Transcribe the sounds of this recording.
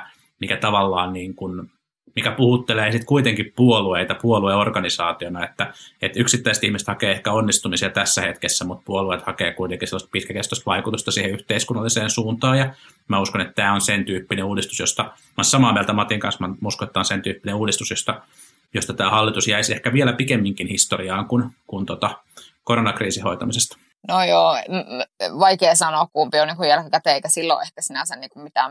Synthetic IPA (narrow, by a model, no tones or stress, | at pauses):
mikæt̪ɑʋɑlːɑːnniːŋkun | mikæpuhut̪ːeleːsit̪kuit̪eŋkippuolueit̪ɑpuolueorkɑnisɑːt̪ionɑet̪ːæet̪yksit̪ːæiset̪ihmiset̪hɑkeːehkæonːist̪umisiɑt̪æsːæhet̪kesːæmut̪̚puoluet̪hɑkeːkuit̪eŋkiselːɑst̪̚pit̪kækert̪ost̪ʋɑikut̪ust̪ɑsiːheyht̪eiskunːɑlːiseːnsuːnt̪ɑːjɑ | mæuskonet̪t̪æːonsent̪yːpːineuːdist̪u̥sjost̪ɑ | mɑnsɑmɑːmielt̪æmɑt̪iŋkɑ̰nsmɑnmuskonet̪ːæonsent̪yːpːineuːdist̪usjost̪ɑ | jost̪ɑt̪æːhɑlːit̪usjæisehkæʋielæpikemːiŋkinhist̪oriɑːŋkunkunt̪ot̪ɑ | koɾonɑkriːsiho̰it̪ɑmisest̪ | nojoː | ʋɑikeːsɑnoːkkuːmpioniːŋkujælkækæt̪eeikæsilːo̰ʔehkæsinæsenniːŋkummit̪æ